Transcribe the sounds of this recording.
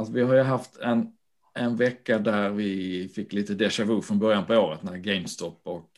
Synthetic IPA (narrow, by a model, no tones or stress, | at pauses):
asvɪɦaɾjɵɦaft̪ʰɛn | ɛnvɛkːad̪æɾvɪfɪkːliːt̪əd̪ɛʂavɵːfɾɔnbœɾjanpɔoːɾət̪næɾɡɛɪmst̪ʰɔpːɔk